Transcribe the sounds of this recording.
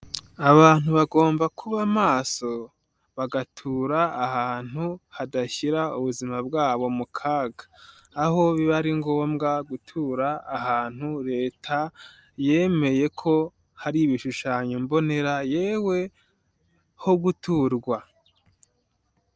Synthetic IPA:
aβaːn̥uβaɡo̞ːmbakʰuβamaːso̞ | βaɡatʰuːɾaːhaːn̥huhadaçiɾauβuzimabɡaːβo̞mukʰaːɡaː | ɦo̞βiβaɾiŋɡoːmɡaɡutʰuːɾaːhaːn̥huɾe̞ːtʰa | je̞ːme̞je̞kʰo̞ | haɾiβiʃuʃaːɲombo̞ne̞ɾaje̞ːwe̞ | ho̞ɡutʰuːɾɡwa

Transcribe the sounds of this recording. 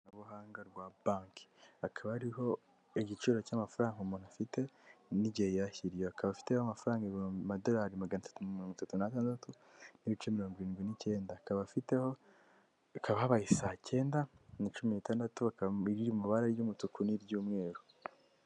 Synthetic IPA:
nuβuhaːŋɡaɾɡwabaːŋki̥akʰaβahaɾiho̞ | eɟit͡ʃuːɾocamafuɾaːŋɡumunafite̞niɟejjaçiɾijoakaβafi̥te̞hoamafuɾaːŋɡemado̞laɾimaɡanatḁtumiloːŋɡutatunataːndatu | niβit͡ʃemiɾo̞ːŋɡiɾiːnɡwinice̞ːndaːkaβafiteho | akʰaβahaβajisaːce̞ːndanit͡ʃuminitaːndatuaiɾiɾimuβaɾaɾjumutukuniɾɟuːmŋe̞ːɾu

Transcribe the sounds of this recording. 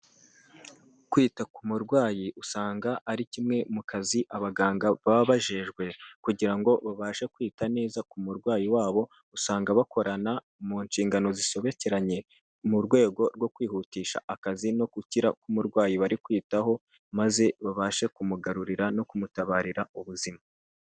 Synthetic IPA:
kwiːtakumuɾɡwaːjiʔusaːŋɡaʔːɾicimŋe̞mukaziʔaβaɡaːŋɡaβaβaβaʒe̞ʒɡwe̞kuɟiɾaŋɡo̞βaβaʃe̞kwiːtane̞ːzakumuɾɡwaːjiwaːβo̞ | usaːŋɡaβako̞ɾana | muɲʃiːŋɡano̞ziʃo̞βe̞ce̞ɾaɲe̞ | muɾɡwe̞ːɡo̞ɾɡwo̞kwiːhutiːʃa̰ːkazino̞kuciɾakumuɾɡwaːjiβaɾikwiːtaho̞ | maze̞βaβaʃe̞kumuɡaɾuɾiɾano̞kumutaβaːɾiɾauβuzima

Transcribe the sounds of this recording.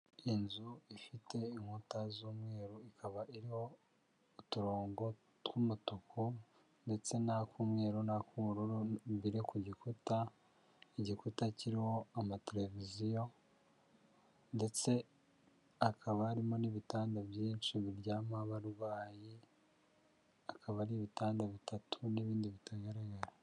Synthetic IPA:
inzuifite̞iŋhutazuːmŋe̞ːɾuikʰaβaʔiɾiho̞ː | tuɾoːŋɡo̞ | tkumutukʰu | nde̞t͡se̞nakumŋe̞ːɾunakumuɾuɾuβiɾekuɟikuta | iɟikutaciɾiho̞amateɾe̞vizijo̞ | nde̞t͡se̞ | akʰaβaːɾimo̞niβitaːndabjiːnt͡ʃiβiɾɟaːmaβaɾwaːji | akʰaβaɾiβitaːndaβitʰatʰuniβiːndiβitʰaɡaɾaɡaɾa

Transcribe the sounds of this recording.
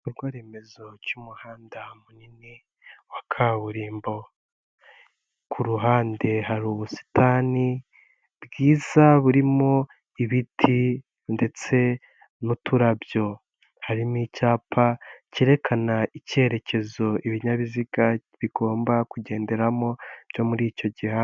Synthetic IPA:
uɾɡwaːɾeme̞zo̞ɟumuhaːndamunini | wakʰaβuɾiːmbo̞ | kʰuɾuɦaːnde̞haɾuβusi̥tʰaːni | bɡiːzaβuɾimo̞ | iβitʰi | nde̞t͡se̞ | nutuɾabjo̞ | haɾimicaːpʰaciɾe̞kʰanaice̞ɾe̞ce̞zo̞ʔiβiɲaβiziɡaβiɡ̥o̞ːmbakuɟe̞ːnde̞ɾamo̞b̥jo̞muɾiːco̞ɟihaː

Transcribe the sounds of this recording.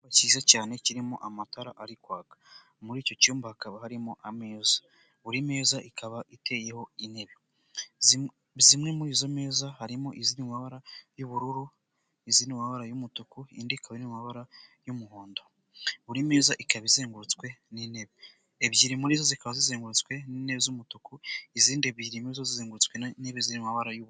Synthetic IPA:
βaciːzacaːne̞ciɾimo̰ʔamataɾaʔaɾikwaːkḁ | muɾiːco̞cuːmbahakaβaɦaɾimoʔame̞ːza | βuɾime̞ːzaʔikʰaβaʔite̞ːje̞ho̞ine̞βo | zimŋe̞muɾiːzo̞me̞ːzahaɾimoʔizinimaβaɾajuβuɾuɾu | izinimaβaɾajumutukuḭndikʰaβenimaβaɾajumuhoːndo | βuɾime̞ːzaʔikaβizeːŋɡuɾut͡skwe̞nineβi | ebjiɾimuɾiːzo̞zikaβazizeːŋɡuɾut͡skwe̞nine̞βizumutukuiziːndeβiɾimuizozizeːŋɡuɾut͡skwe̞neβizinimaβaɾajuβu

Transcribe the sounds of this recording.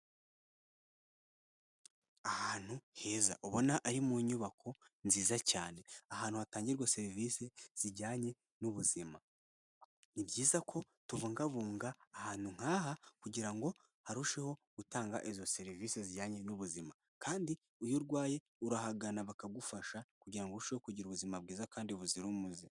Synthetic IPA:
ahaːn̥huhe̞ːza̰ʔoβo̞naʔaɾimuɲuβakʰo̞nziːzacaːne̞ahaːn̥uhataːɲɟiɾɡwose̞ɾiviːse̞z̥iɟaːɲe̞ | nuβuzima | nibɟiːzakʰo̞ | tuvuːŋɡaβuːŋɡaːhaːn̥huŋ̥aːɦakuɟiɾaŋɡo̞ | haɾuʃe̞ho̞ɡ̥utaːŋɡa̰ʔizo̞se̞ɾiviːseziɟaːɲe̞nuβuzima | kʰaːndi | ujoɾɡwaːje̞ | uɾahaɡanaβakaɡufaʃakuɟiɾaŋɡoɾuʃehokuɟiɾuβuzimab̚ɡiːzakaːndiβuziɾumuzi

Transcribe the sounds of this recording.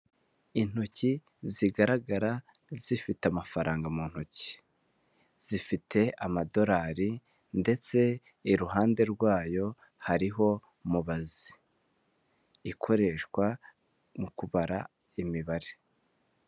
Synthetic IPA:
in̥oci | ziɡaɾaɡaɾa | zifiteamafaɾaːŋɡamuːn̥hoci̥ | z̥ifitʰe̞amado̞ɾaːɾi | nde̞t͡se̞ | iɾuɦaːnde̞ɾɡwaːjo̞ | haɾiɦo̞ | muβazi̥ | kʰo̞ɾe̞ʃkwa | mukuβaɾa | imiβaɾe̥

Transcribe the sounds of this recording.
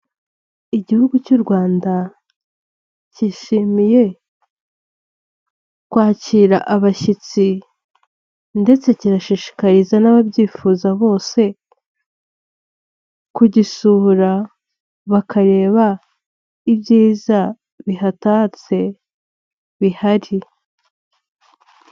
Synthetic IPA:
iɟihuɡucuɾɡwaːnda | ciʃimije̞ | kwaːciɾa̰ʔaβaçit͡si | nde̞t͡se̞ciɾaʃiːʃi̥kaɾizanaβabɟiːfuːzaβo̞ːse̞ | kuɟisuhuɾa | βakʰaɾe̞ːβa | ibɟiːza | βiɦatat͡se̞ | βihaɾi

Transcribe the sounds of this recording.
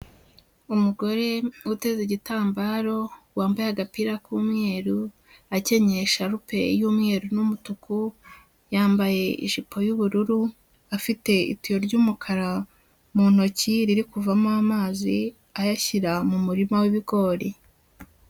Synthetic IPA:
umuɡo̞ɾe̞ute̞zeɟitaːmbaːɾo̞waːmbajaɡapiɾakuːmŋe̞ːɾu | ace̞ɲeʃaɾupe̞̰juːmŋe̞ːɾunumutuku | jaːmbaje̞ḭʃipʰo̞juβuɾuɾu | afite̞ḭtijo̞ɾɟuːmukʰaɾa | mun̥o̞ciɾiɾikuvamoamaːzi | ajaçiɾamumuɾimawiβiɡo̞ːɾi

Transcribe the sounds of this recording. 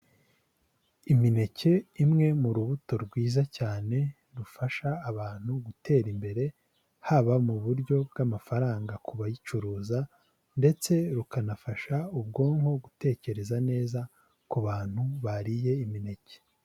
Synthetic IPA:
imine̞ce̞imŋe̞muɾuβuto̞ɾɡwiːzacaːne̞ | ɾufaʃaːβaːn̥huɡute̞ːɾimbe̞ɾe̞ | haβamuβuɾɟo̞b̚ɡamafaɾaːŋɡakuβajit͡ʃuɾuːza | nde̞t͡se̞ɾukanafaʃaubɡo̞ːŋho̞ɡute̞ːce̞ɾe̞zane̞ːza | kuβaːn̥huβaɾije̞imine̞ce̥

